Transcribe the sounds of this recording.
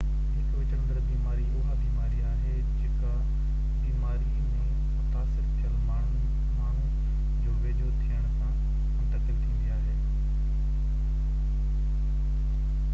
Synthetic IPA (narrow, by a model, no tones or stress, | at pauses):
ɦɪkʋɪt͡ɕɐ̃nd̪əɾbiːmaːɾiʊɦaːb̪iːmaːɾiaːɦe | d͡ʑeːka | iːmaːɾi | b̃ | mʊt̪aːsɪɾt̪ʰijəlmaːɳ̤u | maːɳ̤ũ | d͡ʑoːʋeːd͡ʒot̪ʰijəɽ̃sã | ʊ̃nt̪əkɪlt̪ʰĩnd̪iaːɦeː